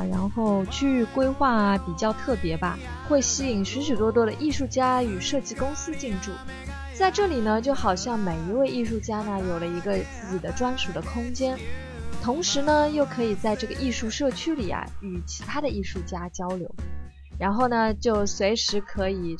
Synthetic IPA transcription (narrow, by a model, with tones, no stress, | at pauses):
ɻa˧˥nxo˥˧ʊt͡ɕʰy˥kwe˥ɪxwa˥˩pi˨˩t͡ɕjɑ˥˧ʊt̪ʰɤ˥˩pjɛ˧˥bɐ̰˧ | xwe˥˩ɪɕi˥i˨˩ŋʂɻ̩˧˥ʂ̬y˨˩t̪wɔ˥t̪wɔ˥ɾə˧ʔi˥˧ʂu˥˩t͡ɕja˥y˨˩ʂɤ˥˧t͡ɕi˥˧kʊ˥ŋsɹ̩˥t͡ɕi˥˧ŋʈ͡ʂṵ˥˩ | t͡sa˥˧ɪʈ͡ʂɤ˥˩li˨˩nə˦t͡ɕjo˥˩ʊxɑ˨˩ʊɕjɑ˥˩ŋme˨˩ɪi˧˥we˥˧ɪʔi˥˧ʂu˥˩t͡ɕja˥nə˨jo˨˩ʊlə˦i˧˥ɡə˧t͡sɹ̩˥˩t͡ɕi˨˩d̪ə˦ʈ͡ʂwa˥nʂu˨˩d̪ə˦kʰʊ˥ŋt͡ɕjɛ˥n | t̪ʰʊ˧˥ŋʂɻ̩˧˥nə˧jo˥˩ʊkʰɤ˧˥i˨˩t͡sa˥˧ɪʈ͡ʂɤ˥˩ɡə˩ʔi˥˧ʂu˥˧ʂɤ˥˩t͡ɕʰy˥li˨˩ɐ̰˧˩y˨˩t͡ɕʰi̥˧˥t̪ʰa˥d̪ə˨ʔi˥˧ʂu˥˩t͡ɕja˥t͡ɕjɑ˥ʊljo̰˧˥ʊ | ɻa˧˥nxo˥˩ʊnə˩t͡ɕjo˥˩ʊswe˧˥ɪʂɻ̩˧˥kʰɤ˧˥i˨˩